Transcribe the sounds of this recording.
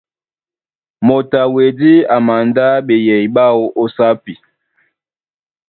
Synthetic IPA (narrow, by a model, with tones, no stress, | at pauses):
mo˨ta˨we˨di˦a˨ma˨nda˦ɓe˨jɛ˨i˨ɓa˦o˦ʔo˦sa˦pi˨